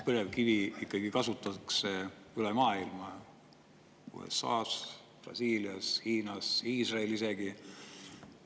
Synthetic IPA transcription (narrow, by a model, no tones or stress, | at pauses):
pɤɾevkiviikːˑɑɡ̥ikɑsut̪ːˑɑkse | ylemɑːilmɑ | ṵːḛsːɑ̰ːs | prɑ̰siːliɑshiːnɑsiːsrɑelise̞ɡ̥i